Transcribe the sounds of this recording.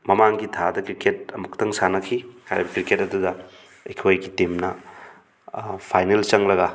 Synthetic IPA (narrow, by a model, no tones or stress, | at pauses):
mɐmaŋɡitʰadɐkɾiket̚ɐmuktɐŋsanɐkʰikʰaɾibɐkɾiketɐdudɐː | jkʰojɡitemnɐ | pʰajnelt͡ʃɐŋlɐɡɐ